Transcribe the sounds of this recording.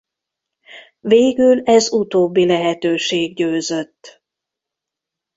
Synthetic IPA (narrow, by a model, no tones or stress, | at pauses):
veːɡylɛzut̪oːbːilɛɦɛt̪øːʃeːɡɟøːzøt̪ː